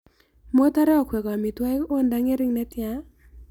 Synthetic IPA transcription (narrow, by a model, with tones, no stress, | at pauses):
mo˦ta˦ɾɛ˦ɔ˨kʰwe˨ka˨mi˨twa˦jko˦nda˦ŋe˦ɾɪ˦ŋnɛ˦tja˦